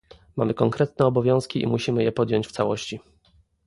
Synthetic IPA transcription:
mamɘkɔŋkɾɛt̪̚nɛɔbɔvʲjɔ̃w̃skʲiʔḭmuɕimɘjɛpɔd̪ʲjɔɲt͡ɕft̪sawɔɕt͡ɕi

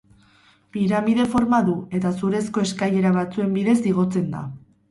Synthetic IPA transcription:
piɾamiðe̞fo̞ɾmaðue̞t̪asuɾe̞sko̞e̞skaje̞ɾaβ̞at͡sue̞mbiðe̞siɣ̞o̞t͡se̞nd̪a̰

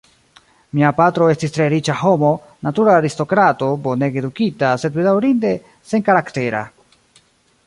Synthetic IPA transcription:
miapatɾo̞e̞stistɾe̞ɾit͡ʃaho̞mo̞ | natuɾaːɾisto̞kɾato̞bo̞ne̞ɡe̞dukitase̞dbedawɾinde̞ | se̞ŋkaɾakte̞ɾa̰

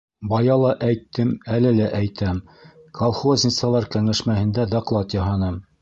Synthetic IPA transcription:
bɑjɑlˠɑʔæjt̪ːɘmælɘlæʔæjt̪ʰæm | kʰolˠχozʲnʲɪ̆t̪sɑlˠɑɾkæŋæʃmæhɘ̆nd̪æd̪ɑqlˠɑt̪jɑɦɑnɤm

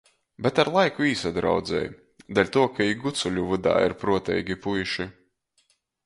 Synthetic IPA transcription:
bet̪aɾlˠajkuiːsad̪ɾa̰wd̪zɛ̰ːj | d̪alʲt̪uɔkaiɡut̪sulʲuvud̪a̰ːḭɾpɾuɔt̪ɛ̰jɡʲipujʃi

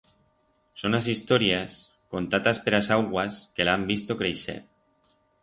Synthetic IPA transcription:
sonas̬ist̪oɾias | kont̪at̪aspeɾasawɣwaskelambist̪okɾejʃɛ̰t̚

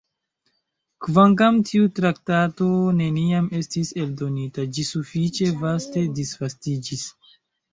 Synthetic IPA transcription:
kvaŋk̬amtʰiutɾak̚tato̞ne̞niame̞stise̞ldo̞nitad͡ʒisufit͡ʃe̞vaste̞disv̥astid͡ʒis

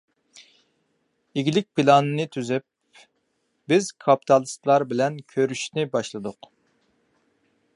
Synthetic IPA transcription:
iɡʲilɪk̚ʲpilˠɑnɨnɨt̪ʰyzyp̚ | bɪzkʰɑpi̥t̪ʰɑlˠɨst̪lˠɑɾbɪlɛnkʲʰøɾyʃnɪbɑʃlˠɨd̪ʊq

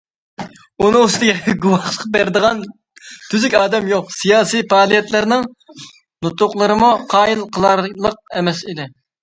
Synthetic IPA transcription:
unɨŋust̪ɪɡʲɛɡuwɑχʃə̥qbæɾd̪əʁɑn | t̪ʰyzykʲɑːd̪ɛmjoqsijɑːsijpɑːlˠijɛt̪lɪɾnɪŋ | nut̪ʊqlˠəɾɨmuqʰɑːjilˠqʰəlˠɑɾlˠəq̚ɛmɛsid̪ɪ

